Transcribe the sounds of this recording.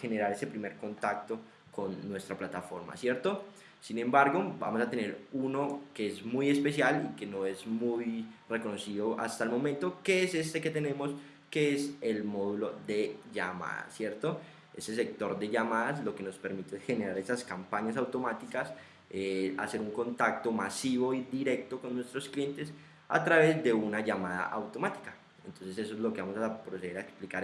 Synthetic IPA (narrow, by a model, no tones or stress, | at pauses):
xe̞ne̞ɾaɾe̞se̞pɾime̞ɾko̞nt̪ak̚t̪o̞ | ko̞nːwe̞st̪ɾaplat̪afo̞̰ɾma̰sje̞ɾt̪o̞ | sinẽ̞mbaɾɡo̞ba̰mosat̪e̞ne̞ɾuno̞ke̞ezmuje̞spe̞sjalike̞no̞e̞zmujre̞ko̞no̞siðo̞ʔa̰st̪aelmo̞ment̪o̞ke̞ese̞st̪e̞ke̞t̪e̞ne̞mo̞s | ke̞eselmo̞ðulo̞ðe̞ʝama̰ða̰sje̞ɾt̪o̞ | e̞̰se̞s̬e̞k̚t̪o̞ɾd̪e̞ʝamaðaslo̞ke̞no̞spe̞ɾmit̪eesxe̞ne̞ɾaɾe̞saskampaɲasawt̪o̞mat̪ikas | ea̰se̞ɾuŋko̞nt̪ak̚t̪o̞masiβo̞id̪iɾe̞k̚t̪o̞ko̞nːwe̞st̪ɾo̞sklijent̪e̞s | a̰t̪ɾaβe̞zd̪e̞unaʝamaða̰ʔawt̪o̞mat̪i̥kḁ | ent̪o̞nse̞se̞s̬oezlo̞keβamosapɾos̬e̞ðeɾaeksplikaɾ